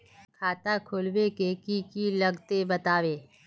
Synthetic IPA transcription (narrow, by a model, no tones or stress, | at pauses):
kʰaːt̪akʰʊlwekekikilɐɡt̪ebɐt̪aːʋeː